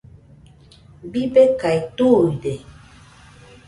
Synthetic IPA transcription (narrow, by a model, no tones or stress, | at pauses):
bibekajt̪ujde